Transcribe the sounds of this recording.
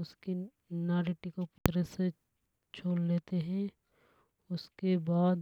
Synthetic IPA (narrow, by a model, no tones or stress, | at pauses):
ʊski | naːɾiʈikopʊ̥t̪ɾəse | t͡ʃʰoːlleːt̪eɦɛ̃ | ʊskebaːd̪